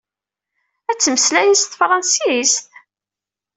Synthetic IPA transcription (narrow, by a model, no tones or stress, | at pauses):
æt͡sːməslæjisθfɾˤɑnsist̪